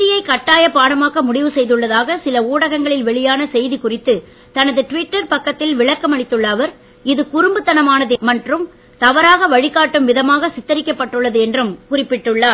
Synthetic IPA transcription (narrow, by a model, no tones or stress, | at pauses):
ɾɪjɐɪkɐʈːaːjɐpaːɽɐmaːɣɐmʊɽɪʋɯsɛjðɯɭːɐðaːɣɐsɪlɐuːɽɐɣɐŋɡɐɭɪlʋɛɭɪjaːnɐsɛjðikʊrɪt̪ːɯ | t̪ɐnɐðɯʈʋɪʈːɐɾpɐkːɐt̪ːɪlʋɪɭɐkːɐmɐɽɪt̪ːɯɭːɐʋɐɾ | ɪðɯkʊɾɯmbɯt̪ːɐnɐmaːnɐðɯmɐʈrɯm | t̪ɐʋɐɾaːɣɐʋɐɻɪkaːʈːɯmʋɪðɐmaːɣɐsɪt̪ːɐɾɪkʲːɐpːɐʈːɯɭːɐðɯɛndrɯmkʊrɪpːɪʈːɯɭːaː